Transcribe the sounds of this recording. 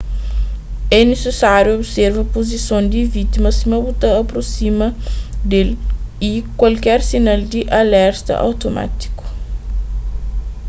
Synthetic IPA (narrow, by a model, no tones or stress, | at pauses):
ɛnesesaɾjuobsɛɾvɐpozisõw̃d̪ivit̪imɐsimɐbut̪aɐpɾosimɐd̪elikwalkɛɾsinald̪iʔalɛɾt̪ɐ̰ʔa̰wt̪oma̰t̪i̥ku̥